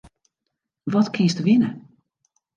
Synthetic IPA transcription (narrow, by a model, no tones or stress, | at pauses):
ʋɔtkʰɪnstəʋɪnə